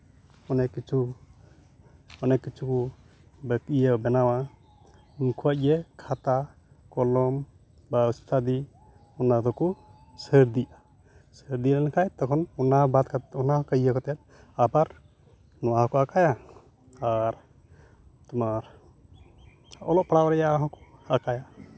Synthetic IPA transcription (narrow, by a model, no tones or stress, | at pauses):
ɔnɛkːit͡ʃʰu | ɔnɛkːit͡ʃʰuku | bəkijəbɛnawa | mkʰuac̚ɛkʰat̪a | kɔlɔm | baust̪ʰad̪i | ɔnad̪ɔku | səɾd̪ia | səɾd̪ilanakʰajt̪ɔkʰɔnɔnabat̪̚katɔnakajakɔt̪ɛt̪̚ | abaɾ | nɔwahɔkɔakaja | aɾ | t̪umaɾ | ɔ̰lɔʔpɽawɾɛjaʔɦɔ̃kɔ̥akaja